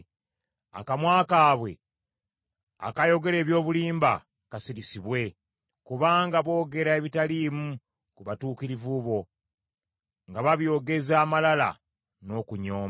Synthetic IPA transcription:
a̰kamwaːkaːβwe̞̰ | a̰kajo̞ɡe̞ɾe̞ːβjo̞ːβuliːmba̰ | kasiɾisiβwe̞ | kuβaːŋɡaβo̞ːɡe̞ɾaeβitaliːmu | kuβatuːkiɾivuβo̞ | ŋɡaβaβjo̞ːɡe̞zaːmalala̰ | no̞kuɲo̞ːm

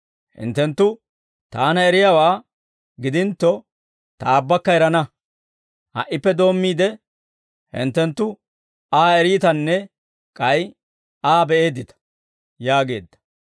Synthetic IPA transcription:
hɪ̰nt̪ːɛnt̪ːʊ | t̪aːnɐɛɾɪjaːwaː | ɡɪd̪ɪnt̪ːɔ | t̪aːbːɐkːɐɛɾɐnɐ | hɐ̰ʔːɪpːɛd̪o̞ːmːiːd̪ɛ | hɪ̰nt̪ːɛnt̪ːʊ | aːɛɾiːt̪ɐnːɛ | kʼɐj | aːbɛʔe̞ːd̪ɪt̪ɐ̥ | jaːɡe̞̰ːd̪ːɐ̥

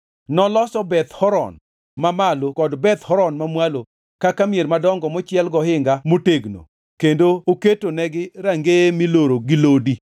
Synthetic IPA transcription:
nɔlɔsɔbɛt̪hɔɾɔ̰n | mamalokɔdbɛt̪hɔɾɔnmamwalo | kakamjeɾmadɔŋɡɔmɔt͡ʃjɛlɡɔhɪŋɡamoteɡno̰ | kendooketonɛɡɪɾaŋɡemiloɾoɡɪlodi

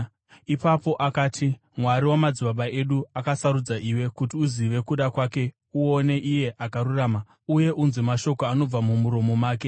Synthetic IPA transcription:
ipapo̞ʔakaːtʰi | mwaɾiwamad͡ziɓaɓaʔe̞ɗuakasaɾud͡zaʔiwe̞kutiuziʋe̞kuɗakwaːke̞ | uo̞ne̞ʔije̞ʔakaɾuraːma | uje̞ʔunzimaʃo̞koano̞b͡vamumuɾo̞mo̞maːke̞

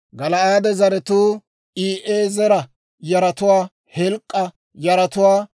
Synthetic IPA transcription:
ɡɐlɐaːd̪ɛzɐɾɛt̪uː | ʔiːʔeːzɛɾɐ | jɐɾɐt̪ʊwaː | hɛlkʼːɐ | jɐɾɐt̪ʊwaː

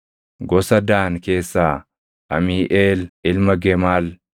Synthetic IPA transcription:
ɡɔsɐd̪aːŋke̞ːsːaː | ɐ̰miːʔeːlʔɪlmɐɡɛmaːl

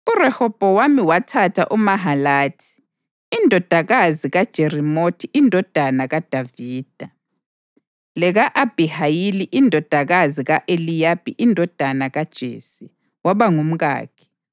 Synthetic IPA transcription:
urɛhɔb̥ʱɔwamiwatʰatʰaʔumaɦalaːtʰi̥ | indʱɔd̥ʱaɣaziɣad̥ʒ̥ʱerimotʰiindʱɔd̥ʱanaɣad̥ʱaviːd̥ʱa | lɛɣaʔab̥ʱihajiliʔindʱɔd̥ʱaɣaziɣaʔelijapʼiʔindʱɔd̥ʱanaɣad̥ʒ̥ʱḛːsi | waβaŋum̩ɣa̰ːkʰɛ̥

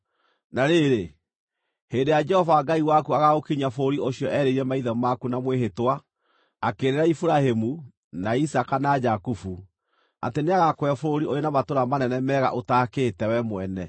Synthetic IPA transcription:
naɾeɾe | heːndejad͡ʒɛhɔvaɡaiwakuaɣaɣokiɲafooɾioɕijɔʔɛɾeiɾɛmaiðɔmakunamweɦetwaː | keɾeɾaifuɾahemu | naisakanad͡ʒakufu | a̰teneaɣakwɛfoɾoɾiojenamatoɾamanɛnɛmɛɣa̰ʔotaːkeːtɛwɛmwɛnɛ

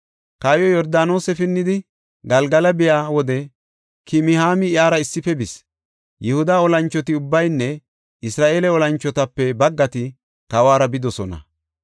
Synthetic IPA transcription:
kaːjɔjɔɾd̪aːno̞ːsɛfɪnːɪd̪ɪ | ɡɐlɡɐlɐbɪjaːwɔd̪ɛ | kɪmɪhaːmɪaːɾɐɪsːɪfɛbɪs | jɛhʊd̪aːɔlɐnt͡ʃːɔt̪ɪʊbːɐjnːɛ | ɪsɾaːʔeːlɛɔlɐnt͡ʃːɔt̪ɐpːɛbɐɡːɐt̪ɪ | kɐwaːɾɐbɪd̪ɔsɔnɐ̰

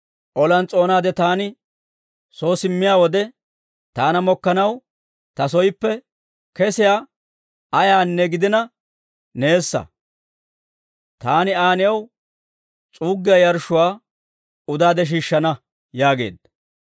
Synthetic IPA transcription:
ʔɔlɐnt͡sʼo̞ːnaːd̪ɛt̪aːnɪ | so̞ːsɪmːɪjaːwɔd̪ɛ | t̪aːnɐmɔkːɐnɐw | t̪ɐsɔjɪpːɛ | kɛsɪjaː | ɐjaːnːɛɡɪd̪ɪnɐ | ne̞ːsːɐ̰ | t̪aːnɪaːnɪjɐw | t͡sʼuːɡːɪjɐjɐɾʃʊwaː | ʊd̪aːd̪ɛʃ̬iːʃːɐnɐ | jaːɡe̞̰ːd̪ɐ

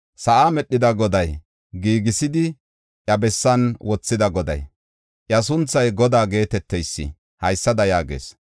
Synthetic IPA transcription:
sɐʔamɛɗːɪd̪ɐɡɔd̪ɐj | ɡiːɡɪsɪd̪ɪ | ʔɐbɛsːɐnwɔt͡sːɪd̪ɐɡɔd̪ɐ̰j | ʔjɐs̬ʊnt͡sːɐjɡɔd̪aːɡe̞ːt̪ɛt̪ːɛjsːɪ̰ | hɐjsːɐd̪ɐjaːɡḛːs

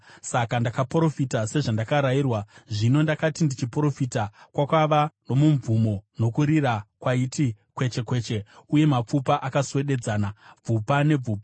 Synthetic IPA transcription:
sakandakapro̞fitase̞ʐandakaɾajiːrwaʐino̞ndakatindit͡ʃipro̞fitakwakwaʋano̞muɱvumo̞no̞kuɾirakwaitikwe̞t͡ʃe̞kwe̞ːt͡ʃe̞uje̞map͡fupaʔakaswe̞ɗe̞d͡zaːnab͡vupane̞b͡vuːpa

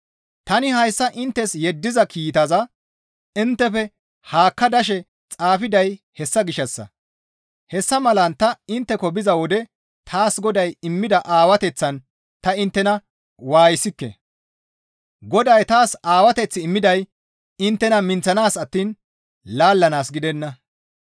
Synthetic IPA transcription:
t̪ɐnɪhɐjsːɐʔɪnt̪ːɛsjɛd̪ːɪzɐkʰiːt̪ɐzɐ | ɪnt̪ːɛfɛ | haːkːɐd̪ɐʃ̬ɛ | t͡sʼaːfɪd̪ɐj | hɛsːɐɡɪʃːɐsːɐ̰ | hɛsːɐmɐlɐnt̪ɐɪnt̪ːɛkɔbɪzɐwɔd̪ɛ | t̪ʰaːsɡɔd̪ɐjɪmːɪd̪ɐʔaːwɐt̪ɛt͡sːɐn | t̪ɐɪnt̪ːɛnɐ | waːjɪsɪkːɛ̰ | ɡɔd̪ɐjt̪aːsaːwɐt̪ɛt͡sːɪːmːɪd̪ɐj | ɪnt̪ːɛnɐmɪnt͡sɐnaːsɐt̪ːiːn | laːlːɐnaːsɡɪd̪ɛnːɐ

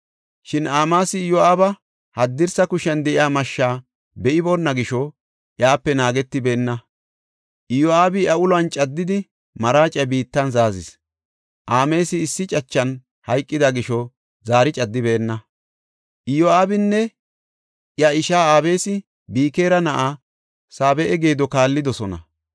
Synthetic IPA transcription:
ʃɪnaːmaːsɪːjɔaːbɐ | hɐd̪ːɪɾsɐkʊʃɛnd̪ɛʔɪaːmɐʃːaː | bɛʔɪbonːɐɡɪʃɔ | ʔjaːpːɛnaːɡɛt̪ːɪbe̞ːnːɐ | ʔɪjɔaːbɪjɐʊlɐnt͡ʃʼɐd̪ːɪd̪ɪ | mɐɾaːt͡ʃʼːɐbiːt̪ːɐnzaːzɪ̰s | ʔaːme̞ːsɪːsːɪt͡ʃʼɐt͡ʃːɐn | hɐjkʼːɪd̪ɐɡɪʃɔ | zaːɾɪt͡ʃʼɐd̪ːɪbɛːnːɐ | ʔɪjɔaːbɪnːɛ | jɐɪʃaːaːbe̞ːsɪ | biːke̞ːɾɐnɐʔa | saːbɛʔɛɡe̞ːd̪ɔkaːlːɪd̪ɔsɔnɐ̰

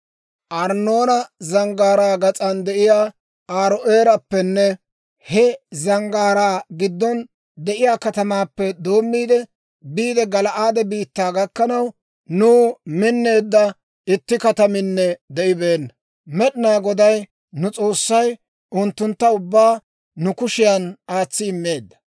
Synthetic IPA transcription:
ʔɐɾno̞ːnɐzɐŋɡaːɾaːɡɐt͡sʼɐnd̪ɛʔɪjaː | aːɾɔʔeːɾɐpːɛnːɛ | hɛzɐŋɡaːɾaːɡɪd̪ːɔn | d̪ɛʔɪjaːkɐt̪ɐmaːpːɛd̪o̞ːmːiːd̪ɛ | biːd̪ɛɡɐlɐʔaːd̪ɛbiːt̪ːaːɡɐkːɐnɐw | nuːmɪnːe̞ːd̪ːɐ | ɪt̪ːɪkɐt̪ɐmɪnːɛd̪ɛʔɪbe̞ːnːɐ | mɛɗɪnaːɡɔd̪ɐj | nʊt͡sʼo̞ːsːɐj | ʊnt̪ːʊnt̪ːɐʊbːaː | nʊkʊʃɪjɐnaːt͡sːɪɪmːe̞ːd̪ːɐ̥

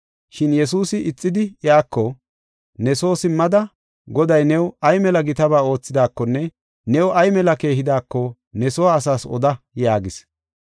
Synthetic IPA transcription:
ʃɪnjɛsuːsɪʔɪt͡sʼːɪd̪ɪjaːkːɔ | nɛso̞ːsɪmːɐd̪ɐ | ɡɔd̪ɐjnɛwɐjmɛlɐɡɪt̪ɐbaːo̞ːt͡sːɪd̪aːkːɔnːɛ | nɛwʔɐjmɛlɐke̞ːhɪd̪aːkːɔ | nɛsɔwaːsaːsɔ̰d̪ɐjaːɡɪs

